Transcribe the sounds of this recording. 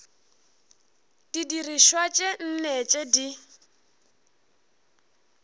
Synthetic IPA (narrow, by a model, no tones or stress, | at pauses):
d̥idiriʃwat͡ʃʼen̩nɛt͡ʃʼedi